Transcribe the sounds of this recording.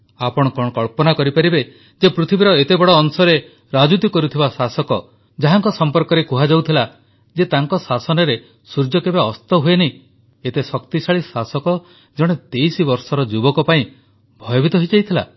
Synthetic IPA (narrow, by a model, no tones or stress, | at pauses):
apɔɽ̃ɔkɔɽ̃ɔkɔɭpɔnakɔɾipaɾibe | d͡ʒepɾut̪ʰibiɾɔet̪ebɔɽɔːnsɔɾe | ɾad͡ʒut̪ikɔɾut̪ʰibasasɔkɔ | d͡ʒaɦaŋkɔsɔmpɔɾkɔɾekuɦad͡ʒawt̪ʰila | d͡ʒet̪aŋkɔsasɔnɔɾe | suɾd͡ʒɔkebeɔst̪ɔɦuenei | et̪esɔkt̪isaɭisasɔkɔ | d͡ʒɔɽ̃et̪ejsibɔɾsɔɾɔd͡ʒubɔkɔpaĩ | bʱɔjɔbit̪ɔɦɔjd͡ʒajt̪ʰila̰